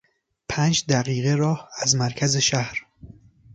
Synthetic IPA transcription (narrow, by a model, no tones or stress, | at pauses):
pʰæːnd͡ʒd̪æɣiːɣe̞ɾɒːhæzmæɾkʰæzeʃæhɾ